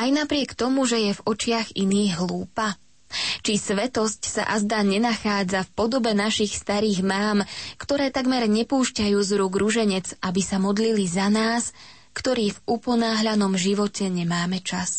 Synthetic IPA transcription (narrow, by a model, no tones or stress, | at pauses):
ajnapɾɪɛkt̪ɔmuʒɛjɛvɔt͡ʃɪaɣiniːɣɦluːpa | t͡ʃisʋɛt̪ɔscsa̰ʔazd̪aɲɛnaxaːd͡zafpɔd̪ɔbɛnaʃixst̪aɾiːɣmaːmkt̪ɔɾɛːt̪aɡmɛɾɲɛpuːʃcajuːzɾuːɡɾuʒɛɲɛd͡zabisamɔd̪lilizanaːs | kt̪ɔɾiːvupɔnaːɦʎanɔmʒiʋɔcɛɲɛmaːmɛt͡ʃas